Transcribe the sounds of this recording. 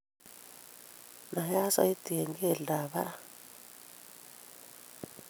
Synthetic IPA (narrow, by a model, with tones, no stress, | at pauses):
na˨ɦja˦sa̰˨˦i˦t̪i˨ɛ˨ŋɡɛ˦˨la˨βa˦a˦